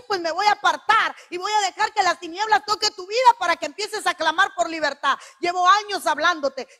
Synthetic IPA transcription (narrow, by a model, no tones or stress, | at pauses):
pwe̞sme̞βo̞japaɾt̪aɾiβo̞jaðe̞xaɾke̞last̪inje̞βlast̪o̞ke̞t̪uβiðapaɾakeːmpje̞se̞saklamaɾpo̞ɾliβ̞e̞ɾt̪aðɟ͡ʝeβo̞aɲo̞saβland̪o̞t̪e̞